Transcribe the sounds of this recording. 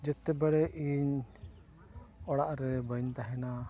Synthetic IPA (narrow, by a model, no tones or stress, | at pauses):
d͡ʒɛt̪ɛbəɽɛʔiɲ | ɔɽaʔɾɛbəɲt̪aɦɛna